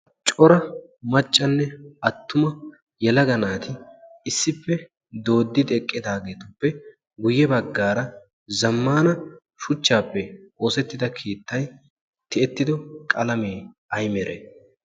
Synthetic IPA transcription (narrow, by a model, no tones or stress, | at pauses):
t͡ʃʼɔɾɐmɐt͡ʃʼːɐnːɛɐt̪ːʊmɐ | jɛlɐɡɐnaːt̪ɪɪsːɪpːɛ | d̪o̞ːd̪ːɪd̪ɛkʼːɪd̪aːɡe̞ːt̪ʊpːɛ | ɡʊjːɛbɐɡːaːɾɐ | zɐmːaːnɐ | ʃʊt͡ʃːaːpːɛo̞ːsɛt̪ːɪd̪ɐkʰiːt̪ːɐj | t̪ɪɛt̪ːɪd̪ɔkʼɐlɐmeː | ɐjmɛɾḛ